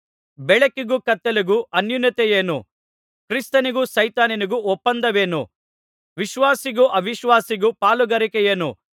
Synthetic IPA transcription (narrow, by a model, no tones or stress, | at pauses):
bɛɭɐkiɡukɐt̪ːeluɡuʔɐnjunjɐt̪ɛjeːnu | kɾist̪ɐniɡusɐjt̪aːniniɡuɔpːɐnd̪ɐʋeːnṵ | ʋiʃʋaːsiɡuʔɐʋiʃʋaːsiɡupaːluɡɐɾikejeːnṵ